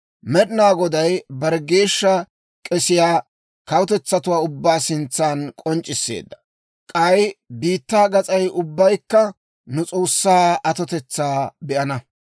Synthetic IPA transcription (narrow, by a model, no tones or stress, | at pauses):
mɛɗɪnaːɡɔd̪ɐjbɐɾɡe̞ːʃːɐ | kʼɛsɪjaː | kɐwʊt̪ɛt͡sːɐt̪ʊwaːʊbːaːsɪnt͡sːaːnkʼɔnt͡ʃʼːɪsːḛːd̪ːɐ̥ | kʼɐjbiːt̪ːaːɡɐt͡sʼɐjʔʊbːɐjkːɐ | nʊt͡sʼo̞ːsːaːɐt̪ɔt̪ɛt͡sːaːbɛʔɐnɐ